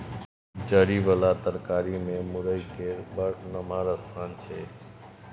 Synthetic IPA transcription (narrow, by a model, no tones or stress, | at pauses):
d͡ʒəɾiːʋəlaːt̪əɾkaːɾiːmẽːmʊɾəikeːɾbəɾnəmaːɾəst̪ʰaːnt͡ʃʰeː